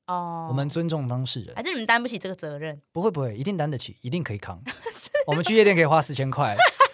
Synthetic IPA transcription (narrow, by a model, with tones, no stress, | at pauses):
ɔ˥˩wɔ˨˩mə˨˦nt͡swə˦nʈ͡ʂʊ˥˨ŋt̪ɑ˦ŋʂɻ̩˥˩ɻə̰˨˦˨t͡ɕt̪a˥np̬u˥˩i˨˩ʈ͡ʂə˥˩ɡə˨t͡sɤ˨˦ɻə˥˩˨npu˦xwe˥˩ɪpu˧˥xwe˥˩ɪi˧t̪i˥˩ŋt̪a˥˦nd̪ə˨t͡ɕʰḭ˨˩i˧˥t̪i˥˩ŋkʰɤ˧˥i˨˩kʰɑ̰˦˥ŋ˥wɔ˨˩mə˦nt͡ɕʰy˥˧ɛ˥˧jɛ˥˨kʰxwa˦˥sɹ̩˥˩t͡ɕʰjɛ˥nkʰwa˥˩ɪ